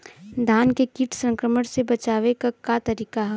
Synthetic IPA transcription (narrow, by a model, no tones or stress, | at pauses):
d̪ʱaːnkekiʈʰsə̃ŋkɾəməɽ̃sebɐt͡ʃaːʋekakat̪ɐɾiːkaɦɛ